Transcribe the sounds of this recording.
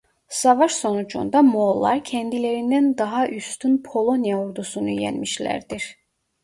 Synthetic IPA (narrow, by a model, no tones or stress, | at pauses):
sɑvɑʃso̞nud͡ʒṵnd̪ɑmolˠːɑɾcʰɛnd̪ile̞ɾind̪ænd̪ɑɦɑʔyst̪ʰynpʰo̞lˠo̞njaoɾd̪usunujæ̰nmiʃlʲæ̰ɾd̪iɾ